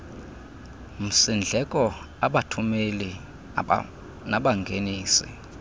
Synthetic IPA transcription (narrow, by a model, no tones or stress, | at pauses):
m̩sind͡ɮʱɛkʼɔ | aɓatʰumeli | naɓaŋɡʱeniːsḭ